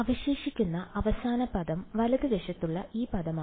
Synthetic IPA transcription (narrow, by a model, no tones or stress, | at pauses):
ɐʋɐɕeːʂikʲːunːɐɐʋɐsaːnɐpɐðɐmʋɐlɐðɨʋeʂɐt̪ːuɭːɐʔiːpɐðɐmaː